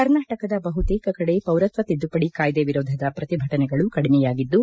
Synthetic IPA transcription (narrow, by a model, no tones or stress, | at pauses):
kɐɾnaːʈɐkɐd̪ɐbɐɦut̪eːkɐkɐɽepɐwɾɐt̪ʋɐt̪id̪ːupɐɽikaːjd̪eʋiɾoːd̪ʱɐd̪ɐpɾɐt̪ibʱɐʈɐnɛɡɐɭukɐɽimɛjaːɡid̪ːu